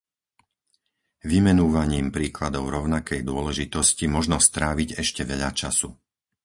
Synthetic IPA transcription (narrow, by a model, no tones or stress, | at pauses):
ʋimɛnuʋaɲiːmpɾiːklad̪ɔʊɾɔʊnakɛjd̪ʊɔlɛʒit̪ɔscimɔʒnɔst̪ɾaːʋiɟɛʃcɛʋɛʎa̰t͡ʃasu